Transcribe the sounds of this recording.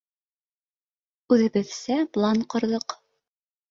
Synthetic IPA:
ʉðɘ̆βɘ̆ðsæplˠanqŏɾðɤq

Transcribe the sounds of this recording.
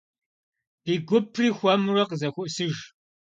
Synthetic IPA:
b̥iːɡʷʊpʰriːxʷɐmrɐqəzɐxʷʊʔsɨʒ

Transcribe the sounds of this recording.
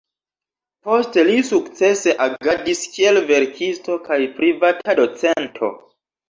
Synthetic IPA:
po̞ste̞lisukt͡se̞se̞ʔaɡadiskie̞lve̞ɾkʰisto̞kʰajpɾivatʰado̞t͡se̞ntʰo̞̰

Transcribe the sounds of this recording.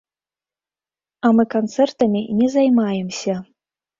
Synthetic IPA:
ɑmɨkont͡sert̪ɤmʲenʲezɑjmɑjəmsʲe

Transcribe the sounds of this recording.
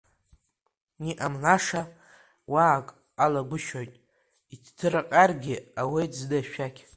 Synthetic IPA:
niʔamnaʂa | waːkʼ | alaɡʷʊʃojtʼ | itʰtʰɨɾaqʼarɡʲɪawejtzdaʃᶣakʲʰ

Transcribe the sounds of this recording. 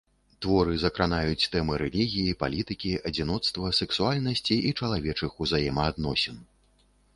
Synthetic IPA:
t̪vɔɾɨzɐkɾanajut͡sʲt̪ɛmɨɾɛlʲiɣʲijipa̰lʲit̪ɨkʲiʔɐd͡zʲinɔt̪st̪vɐsɛksualʲnɐsʲt͡sʲiʔit͡ʂɐlˠavʲɛt͡ʂɨxuzajɛmɐːd̪nɔsʲɛn

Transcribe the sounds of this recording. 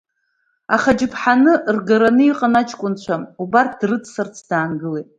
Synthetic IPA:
aχad͡ʒɪpʰħanɨrɡaɾanɨiqʼanat͡ʃʰʼkʷʼʊnt͡ɕʷʰamubart̚ʰdrɨt͡sʰsart͡sʰd̥aːnɡɨletʼ

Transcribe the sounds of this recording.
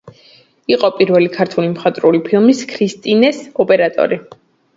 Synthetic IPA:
iqʼɔpʼiɾvɛlikʰaɾt̪ʰulimχat̪ʼɾulipʰilˠmiskʰɾist̪ʼinɛsɔpʼɛɾat̪ʼɔ̰ɾi

